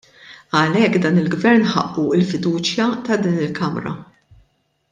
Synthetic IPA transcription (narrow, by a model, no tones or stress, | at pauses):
ɐlɛkːd̪ɐːnɪlɡvɛɾnħɐ̰ʔːuɪlfɪd̪uːt͡ʃjɐt̪ɐd̪iːnɪlkɐmɾɐ̰